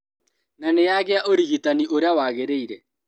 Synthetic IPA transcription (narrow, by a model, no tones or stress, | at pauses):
nanejaɣeaʔoɾiɣitaniʔoɾeawaɣeɾeiɾɛ